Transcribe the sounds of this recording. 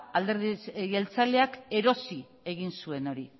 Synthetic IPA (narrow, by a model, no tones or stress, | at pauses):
ald̪e̞ɾðiɣe̞lt͡sale̞ake̞ɾo̞si | e̞ɣinsue̞no̞ɾi